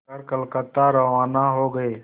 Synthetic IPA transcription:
əɾkəlkət̪ːaɾɐʋaːnaɦoːɡɐeː

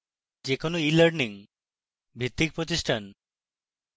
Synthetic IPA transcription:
d͡ʑekonoilaɾniŋ | bʱit̪ːik̚pɾot̪iʃʈʰan

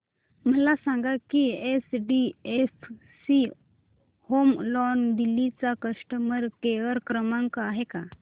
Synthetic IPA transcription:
məlasãŋɡakiesɖief | si | homlɔnd̪ilit͡sakəsʈəməɾkeʋəɾkɾəmãŋkaɦeka

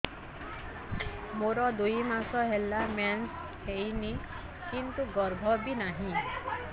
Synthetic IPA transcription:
moɾɔd̪ujmasɔɦelːamɛns | hejni | kint̪uɡɔɾbʱɔbinaɦĩ

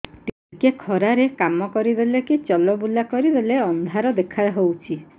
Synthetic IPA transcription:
t̪i | kekʰɔɾaɾekamɔkɔɾid̪elekit͡ʃɔlɔbulakɔɾid̪eleɔnd̪ʱaɾɔd̪ekʰaɦowt͡ʃʰi

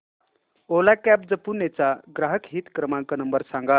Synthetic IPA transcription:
olakæp̚d͡zəpunet͡saɡɾaɦəkɦiːt̪kɾəmãŋkənəmbəɾsãŋɡa

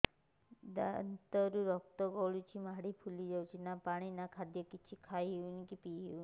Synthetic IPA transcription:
d̪ant̪ɔɾuɾɔk̚t̪ɔɡɔɭut͡ʃʰimaɽipʰulid͡ʒawt͡ʃʰinapaɽ̃inakʰad̪jɔkit͡ʃʰikʰajɦiunikipiɦiu

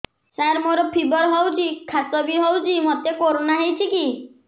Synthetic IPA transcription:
saɾmoɾɔpʰibɔɾɦɔwt͡ʃʰikʰasɔbiɦɔwt͡ʃʰimɔt̪ekoɾonaɦejt͡ʃʰiki

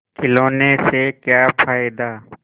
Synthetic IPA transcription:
kɪloːnesekjaːpʰaːɪd̪aː

